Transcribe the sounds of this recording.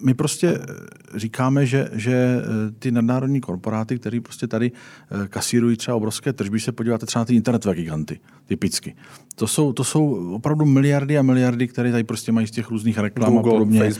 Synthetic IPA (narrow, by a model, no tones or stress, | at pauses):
mɪpɾo̞scɛ | riːkaːmɛʒɛʒɛt̪ɪnadnaːɾodɲiːko̞ɾpo̞ɾaːt̪ɪk̚t̪ɛɾiːpɾo̞scɛt̪adɪkasiːɾujiːt̪rɛbaobɾo̞fskɛːt̪r̩ʒbɪsɛpoɟiːvaːt̪ɛt̪rɛanat̪ɪɪnt̪ɛɾnɛt̪ovɛːɡɪɡant̪ɪ | t̪ɪpɪt͡skɪ | t̪oso̞wt̪oso̞wopɾavdumɪlɪjaɾdɪamɪlɪjaɾdɪk̚t̪ɛɾɛːt̪adɪpɾo̞scɛmajiːscɛxɾuːzniːxɾɛklamaodo̞bɲɛ